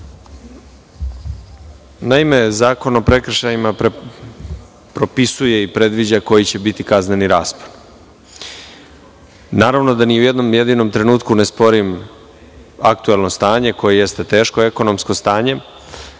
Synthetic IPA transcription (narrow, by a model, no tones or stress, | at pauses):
naime̞zaːko̞no̞pɾe̞kr̩ʃajima | pɾo̞pisuje̞ipɾe̞d̪ʋid͡ʑako̞jit͡ɕe̞bit̪ikazne̞niɾaːspon | naːɾaʋno̞d̪aniuje̞d̪no̞mje̞d̪ino̞mt̪ɾe̞nuːt̪kunespo̞ɾim | ak̚t̪uelˠno̞st̪aːɲe̞ko̞jeje̞st̪e̞t̪e̞ːʃko̞e̞ko̞no̞msko̞st̪aːɲe̞